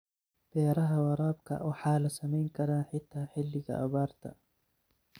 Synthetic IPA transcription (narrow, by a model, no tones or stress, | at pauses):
b̥ɛːɾɐɦɐwɑɾˤɑːbkʰɐ̰ʔɔːħaːlɐsɐmɛjŋkʰɐɾaːnħɪt̪ʰːaːħɪlːɪɣɐ̰ʔɐ̰βaːɾt̪ʰɐ̰